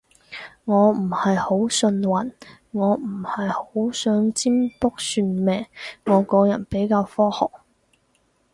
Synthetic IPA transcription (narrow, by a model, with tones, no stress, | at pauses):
ŋɔː˨˧m̩˨˩hɐ˨jho˨˥wsɵ˧nwɐ˨˩n | ŋɔː˨˧m̩˨˩hɐ˨jho˨˥wsœː˨˥ŋt͡siː˥mpʊ˥k̚syː˧nmɛː˨ŋŋɔː˨˧kɔː˧˥jɐ̰˨˩npe˨˥jkaː˧wfɔː˥hɔ̰ː˨˩k̚